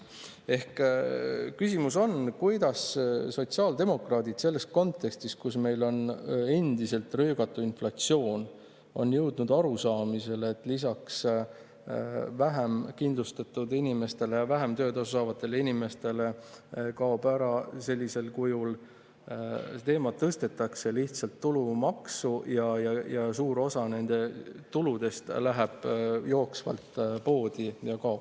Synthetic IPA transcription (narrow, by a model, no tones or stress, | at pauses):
e̞hk | kysʲimuso̞nkujd̪̥ɑsso̞t̪siɑːld̪e̞mo̞krɑːd̪̥id̪se̞lːe̞st̪̚ko̞nt̪ːˑe̞kst̪ist̪̚kusme̞jlo̞ne̞nd̪̥ise̞lt̪røːɡ̥ɑt̪ːˑuinflɑt̪sio̞ːn | o̞̰njɤwd̪̥nud̪̥ɑɾusɑːmise̞let̪ːˑlis̬ɑks | væɦemkind̪lust̪ɑt̪ːˑud̪inime̞st̪e̞lejɑvæɦemt̪ø̞ːd̪ɑsusɑːvɑt̪ˑːe̞leinime̞st̪e̞le̞kɑobæɾɑse̞lʲːise̞lkujul | t̪e̞ːmɑt̪ːɤst̪e̞t̪ːˑɑkse̞liht̪sɑlt̪ːulumɑksujɑjɑjɑsuːɾo̞sɑne̞nd̪̥e̞t̪ulud̪̥e̞st̪læɦeb̥jo̞ːksvɑ̰lt̪po̞ːd̪̥ijɑkɑop